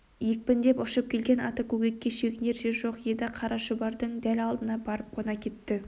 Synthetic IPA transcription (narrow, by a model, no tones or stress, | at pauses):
jek̚ʲpɪnd̪e̞pʊʃəp̚kʲʰe̞lɡʲenɑt̪əkʲʰɵɡʲek̚ʲːe̞ʃekʲɪneɾʃeʒo̞qjed̪ɪqʰɑɾʔɑʃəbɑɾd̪əɴd̪ælɑlˠd̪ənɑbɑɾəp̚qʰonɑkʲʰe̞t̪ːɪ